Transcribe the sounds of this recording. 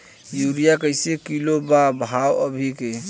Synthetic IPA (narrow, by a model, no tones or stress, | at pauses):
juɾijakəjsekilobabʱawəbʱike